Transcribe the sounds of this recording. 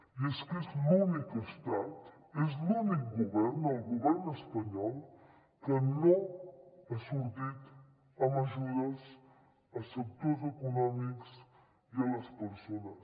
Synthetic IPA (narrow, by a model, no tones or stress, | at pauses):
ieskeslunikəst̪at̪ | ezlunikɡuβɛɾnɐlˠɣuβɛɾnəspɐɲɔlˠ | kənõ | ɐsuɾd̪it̪ | ɐmɐʒuɾɐs | ɐsəkt̪oɾzekunɔmiks | iɐlɐspəɾsonɐs